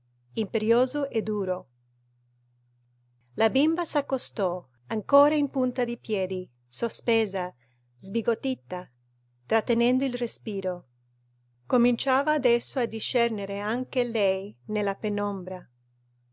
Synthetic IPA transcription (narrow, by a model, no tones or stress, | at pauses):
impeɾjoːzoʔed̪ːuːɾo | labimbasakːost̪ɔ | aŋkoːɾaimpunt̪ad̪ipjɛːd̪i | sospɛːza | zbiɡot̪ːit̪ːa | t̪ɾat̪ːenɛnd̪oilrespiːɾo | komint͡ʃaːvaːd̪ɛsːoad̪ːiʃːɛrneɾeaŋkelɛjnelːapenɔmbɾa